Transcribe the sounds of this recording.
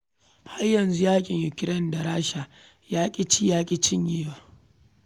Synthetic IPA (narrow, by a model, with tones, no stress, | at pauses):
ha˦rjɐ˨nzu˦jaː˦kʲʼɪ˨ɲjʊ˨kʲɪ˨ɾɛ˦˨nda˨ɾaː˦ʃa˨ | jaː˦kʲʼi˦t͡ʃi˦jaː˦kʲʼi˦t͡ʃɪ˦ɲjeː˦waː˦